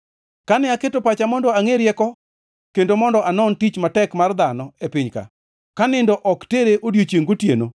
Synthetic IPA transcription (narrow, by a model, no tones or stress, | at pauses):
kanɪaketopat͡ʃamɔndɔaŋeɾjɛkɔ | kendomɔndɔanɔntit͡ʃmatɛkmard̪anɔepɪɲka̰ | kanɪndɔʔɔkteɾeʔodjot͡ʃjeŋɡotjḛno